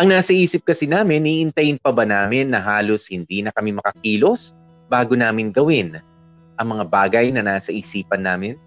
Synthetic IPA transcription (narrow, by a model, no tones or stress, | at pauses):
ʔɐŋnaːsɐʔiːsɪp̚kɐsɪnaːmɪnʔiʔɪnt̪ɐjɪnpɐbɐnaːmɪnːɐɦaːlo̞shɪnd̪iːnɐkɐmɪmɐkɐkiːlo̞s | baːɡo̞naːmɪnɡɐwɪn | ʔɐŋmɐŋabaːɡɐjnɐnaːsɐʔiːsiːpɐnːaːmɪn